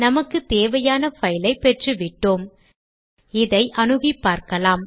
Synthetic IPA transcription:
nɐmɐkːɯt̪eːʋɐjaːnɐfɐjɪlɐɪpːɛʈrɯʋɪʈːoːm | ɪðɐɪʔɐnɯɣɪpːaːɾkɐlaːm

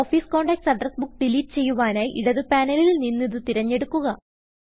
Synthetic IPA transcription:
oːfiːsko̞ːɳɖɐːk̚ʈsɐɖrɐsbukːɖiliːʈːɨ̥t͡ɕe̞jːuʋaːnaːjʔiɽɐðɨpaːnɐlilninːiðɨt̪iɾɐɲːe̞ɽukːuɣɐ

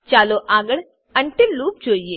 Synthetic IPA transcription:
t͡ʃaːloʔaːɡəɽ | ɐ̃ɳʈɪluːp̚d͡ʒoːijeː

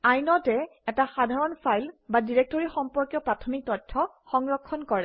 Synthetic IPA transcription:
ajnɔtɛɛtaxadʱaɹɔnpʰajlbadiɹek̚tɔɹixɔmpɔɹkjɔpɹatʰɔmik̚tɔtʰːɔ | xɔŋɹɔkʰːɔnkɔɹɛ

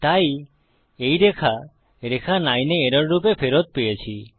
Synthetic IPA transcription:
t̪aj | ejɾekʰa | ɾekʰanajneːɾɔɾɾupepʰeɾot̪̚pejet͡ʃʰi

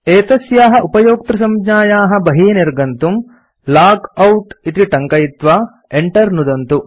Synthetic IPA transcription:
eːt̪ɐsjaːɦɐ̆ʔupɐjoːk̚t̪ɾɐsɐmd͡ʒaːjaːɦɐ̆bɐɦiːneɾɡɐnt̪um | laːkɐwʈit̪ɾiʈɐŋkɐjit̪ʋaː | eɳʈɐɾnud̪ɐnt̪u

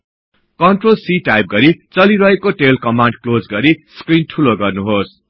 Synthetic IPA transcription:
kʌɳʈrolsiʈajp̚ɡʌɾit͡sʌliɾʌɦekoʈelkʌmaɳɖ̚klod͡zɡʌɾiskrinʈʰuloɡʌrnuɦos

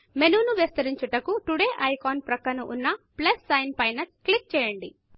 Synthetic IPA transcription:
menuːnuʋest̪ɐɾiɲt͡ʃuʈɐkuʈuɽeːʔɐjkoːnpɾɐkːɐnuʔṵnːɐplɐsːɐjnpɐjnɐklik̚t͡ʃɛːjɐɳɖi

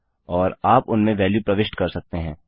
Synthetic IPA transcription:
ɔːɾaːpʊnmẽʋɛːljupɾɐʋɪʃʈkɐɾsɐk̚t̪eɦɛ̃ː

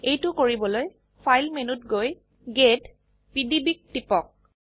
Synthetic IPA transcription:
ejtʊkoɹibɔloj | pʰajlmenutɡoj | ɡed | pidibik̚tipɔk̚

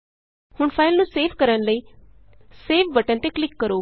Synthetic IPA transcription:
hʊɳpʰaːɪlnũːseːʋkəɾənləiː | seːʋʋəʈə̃nt̪eklɪkːəɾoː

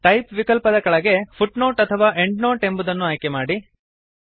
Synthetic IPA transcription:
ʈɐjpʋikɐlpɐd̪ɐkɐɭɐɡe̞pʰuʈnoːʈɐt̪ʰɐʋaːʔeɳɖnoːʈe̞mbud̪ɐnːuaːjkemaːɽi

